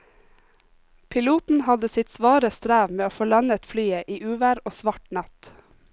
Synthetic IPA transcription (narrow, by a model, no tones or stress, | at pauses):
pʰɪluːt̪n̩hɑd̪əsɪt̪sʋɑːɾəst̪ɾæːʋmeːoːfoːlɑnət̪flyːəʔiːʔʉːʋæːɾoːsʋɑʈnɑt̪